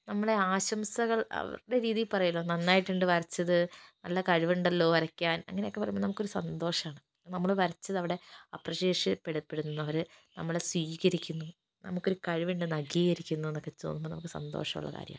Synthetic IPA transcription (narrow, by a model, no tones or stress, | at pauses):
nɐmːɐɭe̞aːɕɐmsɐɣɐɭɐ̰ʋɐ̰ɾɽe̞ɾiːðijilpɐrɐjulːoːnɐnːaːjiʈːuɳɖɨʋɐɾɐt͡ɕːɐðɨnɐlːɐkɐɻuʋiɳɖɐlːo̞ːʋɐɾɐkʲːaːnɐ̰ŋːɐne̞jokːe̞pɐrɐjmboːnɐmukːo̞ɾusɐnd̪o̞ːʂɐmaːɳɨ | nɐmːɐɭʋɐɾɐt͡ɕːɐðɨɐʋiɽe̞ɐ̰pːrɐɕe̞ːʂɨpeɽupːe̞ɽunːunːɐʋɐɾnɐ̰mːɐɭeswiːɣɐɾikʲːunːu | nɐ̰mukːo̞ɾukɐɻuʋiɳɖɨnɐɣiːɣɐɾikʲːunːuenːo̞kːe̞tːo̰ːnːumbonɐ̰mukːɨsɐ̰nd̪o̞̰ːʂɐmṵɭːɐ̰ka̰ːɾjɐ̰m